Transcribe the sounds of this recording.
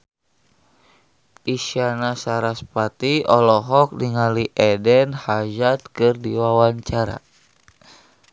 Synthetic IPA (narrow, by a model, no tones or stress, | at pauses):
ʔisianasaɾaspat̪iɔlɔɦɔk̚niŋaliʔɛdɛnhad͡ʒat̪̚kɨrdiwawaɲt͡ʃaɾa̰